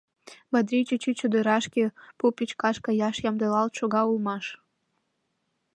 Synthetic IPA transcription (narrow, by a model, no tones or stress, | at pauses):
bɑd̪ɾit͡ɕet͡ɕet͡ɕod̪əɾɑʃkʲepopʲit͡ɕkɑʃkɑjɑʃjɑmd̪əlɑlt̪ʃoɣɑulmɑʃ